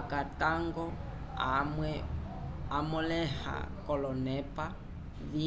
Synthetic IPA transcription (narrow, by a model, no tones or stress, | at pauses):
kataŋɡɔ | w | amɔlɛha̰kɔlɔnɛpa | βi